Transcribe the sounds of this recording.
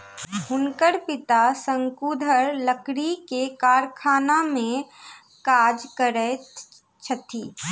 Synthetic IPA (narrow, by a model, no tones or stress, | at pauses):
bʱʊnkəɾpɪt̪asə̃ŋkuːd̪ʱəɾləkɽikekaːɾkʰaːnamẽ | kaːd͡ʒkəɾɛ | t͡ʃʰət̪ʰiː